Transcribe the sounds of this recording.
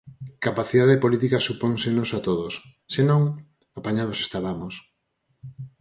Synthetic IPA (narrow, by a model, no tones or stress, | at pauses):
kapaθiðaðepolit̪ikasupoŋsenosat̪oðosː | enõŋ | apaɲað̞osest̪aβamos